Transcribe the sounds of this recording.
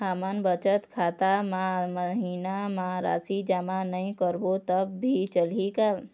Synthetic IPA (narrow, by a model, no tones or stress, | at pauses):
ɦəmənbət͡ʃət̪kʰat̪amãməɦinamãɾa̰ːsid͡ʒamanəĩkəɾbot̪əbːʱit͡ʃəlɦika